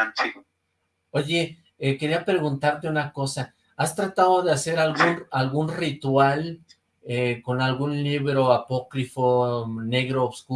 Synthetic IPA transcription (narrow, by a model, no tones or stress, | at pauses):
oʝe̞ | eke̞ɾiapɾe̞ɣunt̪aɾt̪e̞unako̞sa | ast̪ɾat̪aðoðease̞ɾalɣunalɣunrit̪wal | eko̞nalɣunliβɾo̞apo̞kɾifone̞ɣɾoːβsku